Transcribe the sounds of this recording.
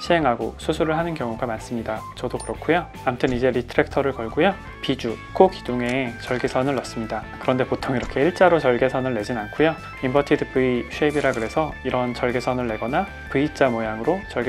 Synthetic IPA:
ɕʰiɦe̞ŋɦaɡosʰusʰuɾɯɭɦanɯnkjʌŋuɡamans͈ɯmɲidat͡ɕʌdokɯɾʌkʰujo | amtʰɯnid͡ʑe̞ɾitʰɯɾek̚tʰʌɾɯɭkʌɭɡojo | pid͡ʑuk͈oɡiduŋe̞ːt͡ɕʌɭɡesʰʌnɯɭːʌs͈ɯmɲidakɯɾʌnde̞potʰoŋiɾʌkʰe̞iɭt͡ɕ͈aɾot͡ɕʌɭɡe̞sʰʌnɯɭːe̞d͡ʑinankʰojo | imbʌtʰidɯpɯiɕʰuebiɾaɡɯɾe̞sʰʌiɾʌnt͡ɕʌɭɡesʰʌnɯɭːe̞ɡʌna | pɯit͡ɕ͈amojaŋɯɾot͡ɕʌɭɡ

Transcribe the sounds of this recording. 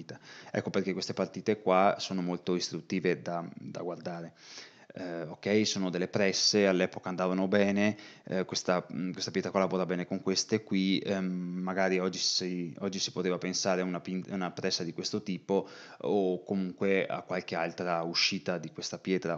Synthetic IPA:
t̪aɛ̰kːoperk̟ekwest̪epart̪iːt̪ekwasoːnomolt̪oist̪ɾut̪ːiːved̪ad̪a̰ɡward̪aːɾe | okːɛjsoːnod̪elːepɾɛsːealːɛːpokand̪aːvanobɛːnekwest̪akwest̪apjɛt̪ɾakwalːavoːɾabɛːnekoŋkwest̪ekwi | maɡaːɾiɔd͡ʒːisiɔd͡ʒːisi̥pot̪eːvapensaːɾeunapinunapɾɛsːad̪ikwest̪ot̪iːpookːomuŋkwea̰kːwalk̟ealt̪ɾauʃiːt̪ad̪ikwest̪apjɛːt̪ɾa

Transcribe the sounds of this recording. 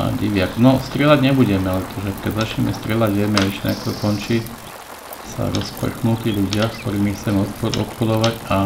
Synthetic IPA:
a̰ɟiʋɪaknɔst̪ɾɪɛlaɟɲɛbuɟɛmɛlɛt̪ʰɔʒɛkkɛzat͡ʃimɛst̪ɾɪɛlaɟɛmɛɛʃɛna̰kt̪ɔkɔnt͡ʃic | sa̰ɾɔspr̩xnuk̪iʎuɟɪaskt̪ɔɾiːmixt͡sɛmɛɔt̪pɔd̪ɔ̰t̪xud̪ɔʋaɟa

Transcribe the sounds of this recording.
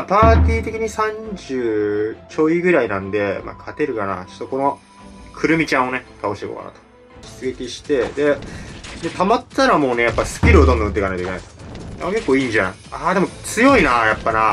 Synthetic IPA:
apaːt̪ʲiːt̪e̞kʲiɲ̟isãɲd͡ʑɨːt͡ɕo̞iɡɯ̟ɾainãnd̪e̞ma̰ːkʰat̪e̞ɾɯ̟kana̰t͡ɕo̥t̪ːoko̞no̞ | kʰɯ̟ɾɯ̟mʲit͡ɕãɰ̃o̞ne̞t̪ʰao̞ɕi̥t̪eko̰ka̰na̰t̪o̥ | ɕi̥t͡sɨɡe̞kʲiɕi̥t̪e̞d̪e̞d̪e̞t̪amat̪ːaɾamo̞ːne̞japːasɨ̥kʲiɾɯo̞t̪ond̪õ̟t̪ːeikanajt̪oikena̰jt̪oa̰ake̞kːoːiːɲ̟d͡ʑã | aːd̪e̞mo̞t͡sɨjo̞inajapːana

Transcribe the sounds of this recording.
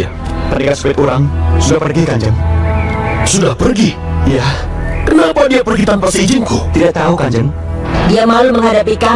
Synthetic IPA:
p̪anikasə̥pɛt̪uɾaŋsudahpərɡikaɲd͡ʒəŋ | sudahpərɡi | jakənapadiapərɡit̪anpərsəid͡ʒɪŋkut̪idaʔ̚t̪aukaɲd͡ʒəŋ | diamaluməŋɦadapika

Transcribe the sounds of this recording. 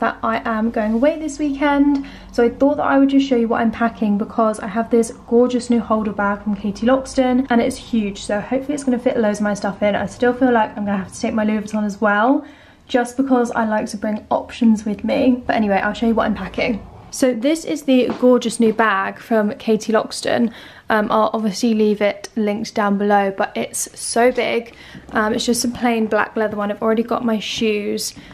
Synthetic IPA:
ðə̰taɪʔə̃mɡəʊɪ̃ŋəweɪðɪswiˑkʰɛ̃nd̥ | soʊaɪθɔˑʔ̪ðə̰ta̰ɪwəd̚d͡ʒʌstʃoʊjəwɒtʔã̰ɪ̃mpʰakʰɪ̃ŋbɪkʰɒza̰ɪəvðɪsɡ̥ɔːd͡ʒəsnjʉːhoʊlˠdəbaɡ̥fɹə̃mkʰeɪtʰilɒkstə̃nʔə̃ñɪtshjʉːd̥ʒ̥soʊhəʊpfəliɪtsɡ̥ʌñəfɪʔələʊzəmaɪstʌfɪ̃na̰ɪstɪlˠfiːlaɪkãɪ̃mɡʌnəɦaftə̥tʰeɪk̚maɪlʉːvəz̃n̩əzwɛlˠ | d̥d͡ʒʌsb̥ɪkʰɒza̰ɪlaɪk̚tʰəbɹɪ̃ŋɒ̰pʃə̃nzwɪðmib̥ʌtɛñiweɪʔa̰ɪlˠʃoʊjəwʌtãɪ̃mpʰakɪ̃ŋ | soʊðɪsɪzðəɡɔːd͡ʒəsnjʉːbaɡ̥fɹə̃mkʰeɪtʰilɒ̰kstə̰̃n | ʔʌ̃mʔa̰ɪlʔɒbviəsliliːvɪʔlɪ̃ŋk̚d̥ãʊ̃nbɪləʊb̥ʌtɪtsəʊbɪɡ̥ | ʔʌ̃mɪtsd̥ʒ̥ʌstsəpʰl̥ẽɪ̃nbla̰k̚lɛðəwʌ̃naɪvl̩ˠɹɛɾiɡɒ̰ʔmaɪʃʉːz̥

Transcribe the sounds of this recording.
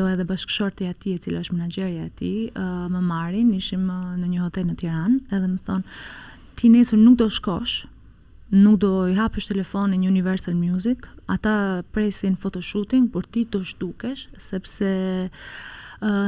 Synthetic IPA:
ɔɛðɛbaʃkʃɔɾt̪iat̪iɛt͡silaəʃmɛnad͡ʒɛɾjaɛt̪ḭməmaɾiniʃimnəɲəhɔt̪ɛlnət̪jɛɾanɛðɛməθɔn | t̪inɛsuɾnuk̚d̪ɔʃkɔʃ | nuk̚d̪ɔiɦapəʃt̪ɛlɛfɔniɲəunivɛɾsalmjuzikat̪apɾɛsinfɔt̪ɔʃut̪iŋɡpɔɾt̪id̪ɔʃd̪̥ukɛʃsɛpsɛ

